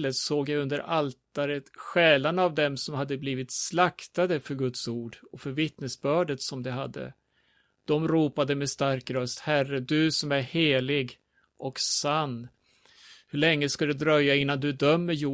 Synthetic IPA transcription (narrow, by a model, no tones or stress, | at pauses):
lət̪soːɡjaɵnd̪əɾʔalt̪aɾət̪ɧɛːlanavd̪ɛmsɔmhad̪ːəbliːvɪt̪slakt̪ad̪əfœɾɡɵt̪suːɖɔfœɾvɪt̪nəsbœːɖət̪sɔmd̪ɛɦad̪ːə̰ | d̪̥ɔmɾuːpad̪əmɛst̪aɾkɾœst̪hærəd̪ɵsɔmæɾheːlɪɡ | ʔɔksanː | hɵɭɛŋːəskad̪ɛd̪ɾœjːaɪnːand̪ɵd̪œmːəɾjuː